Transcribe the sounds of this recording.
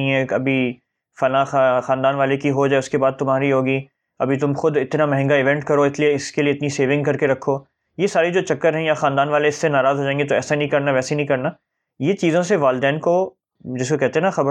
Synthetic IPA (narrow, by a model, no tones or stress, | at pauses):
ĩɦɛːɐbʱi | fɐlãxxaːnd̪aːnʋaːlekiɦod͡ʒaːeʊskebaːd̪̚t̪ʊmɦaːɾiɦoːɡiː | ɐbʱit̪ʊmxʊd̪ɪt̪namɛ̃ɦɛ̃ŋɡaɪʋɛ̃ɳʈkɐɾoɪslieɪskelieɪt̪niseːʋɪ̃ŋɡ̚kɐɾkeɾɐkʰːoː | jesaːɾed͡ʒoːt͡ʃɐkːəɾɦɛ̃jaxaːnd̪aːnʋaːleɪsːenaːɾaːzɦoːd͡ʒãːẽːŋɡet̪̬oɛːsainɐ̃ɦĩkɐɾnaʋɛːseinə̃ɦĩkɐɾna | jet͡ʃiːzõseʋaːld̪ɛːnko | d͡ʒɪskokɛɦt̪ẽɦɛ̃naxɐb